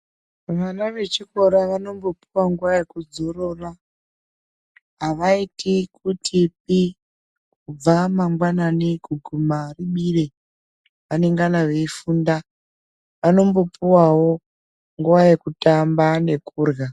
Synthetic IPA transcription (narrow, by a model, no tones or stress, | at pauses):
ʋanaʋe̞t͡ʃiko̞ɾaʋano̞mbo̞puwaŋɡuʋaje̞kud͡zo̞ɾo̞ra | ɦaʋaitikutʰip̚i | kub͡vamaŋɡwananikuɡʱumariɓire | ʋane̞ŋɡanaʋe̞ifuːnda | ʋano̞mbo̞puwawo̞ | ŋɡuʋajekutambane̞kuːrɣa